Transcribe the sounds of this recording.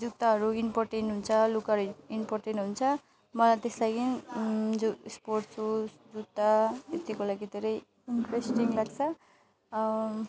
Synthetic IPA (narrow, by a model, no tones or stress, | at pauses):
d͡zut̪aɦʌɾuinporʈenʈɦunt͡sʰʌlukʌɾinporʈenʈɦunt͡sʰʌ | mʌlajt̪eslajɡind͡zosporʈ̪t͡sʰusd͡zut̪ːaet̪ikolaɡid̪ʱeɾʌj | inʈresʈiŋlaɡt͡sʰʌ